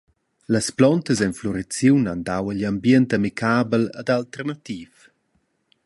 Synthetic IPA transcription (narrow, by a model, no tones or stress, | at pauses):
ləsplɔnt̪əzɛnflɔɾet͡sjuwnandawəlambjɛntamikʰaːbəlad̪alt̪ɛrnat̪iːf